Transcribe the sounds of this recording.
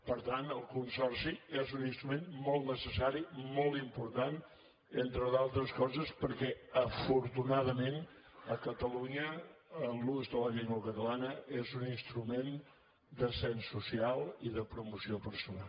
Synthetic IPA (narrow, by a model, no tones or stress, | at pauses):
pəɾt̪anəlˠkunsɔrsiezuninst̪ɾumenmɔlˠt̪nəsəsaɾimɔlˠt̪impuɾt̪an | ent̪ɾəðalˠt̪ɾəskɔzəspəɾkɛəfuɾt̪unaðəmen | əkət̪əluɲəː | luzðələʎiŋɡəkət̪əlanəezuninst̪ɾumen | d̪əsɛnsusialˠiðəpɾumusiopəɾsuna̰l